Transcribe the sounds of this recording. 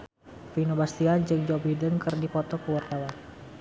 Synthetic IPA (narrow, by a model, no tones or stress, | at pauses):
finobast̪iand͡ʒɨŋd͡ʒɔbidənkərdipɔt̪ɔkəwart̪awa